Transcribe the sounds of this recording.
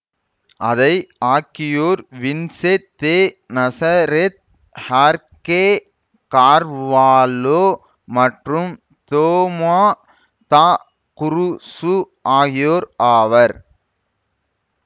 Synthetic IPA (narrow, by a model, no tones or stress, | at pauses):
ʔɐðɐɪaːkːɪjoːɾʋɪnset̪ːeː | nɐsaɐɾet̪̚ | haːɾke | kaːɾʋaːloː | mɐʈrɯm | t̪oːmaː | t̪aː | kʊɾʊsu | ʔaːɣɪjoːɾaːʋɐɾ